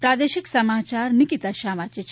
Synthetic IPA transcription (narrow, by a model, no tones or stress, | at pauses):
pɾaːd̪eːʃiksɐmaːt͡ʃaːɾnikit̪aʃaːmat͡ʃet͡ʃʰ